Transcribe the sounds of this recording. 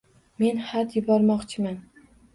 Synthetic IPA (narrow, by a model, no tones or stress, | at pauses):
me̞nhat̪jɪbɒɾmɒqt͡ʃʰɪman